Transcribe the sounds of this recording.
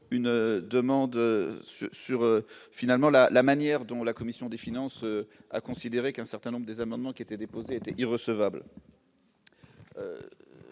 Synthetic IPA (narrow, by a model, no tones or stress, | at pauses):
ynd̪əmɑ̃d̪sysyʁøfinalmɑ̃lalamanjɛʁd̪ɔ̃lakɔmisjɔ̃d̪efinɑ̃søa̰kɔ̃sid̪eʁekɛ̃sɛʁt̪ɛ̃nɔ̃bʁəd̪ezamɑ̃d̪mɑ̃kʲiet̪ɛd̪epozeet̪ɛʔiʁəsəvabl | ø̰